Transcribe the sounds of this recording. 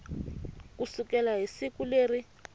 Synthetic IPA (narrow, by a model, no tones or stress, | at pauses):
k̬usukɛlaɦisikuleːri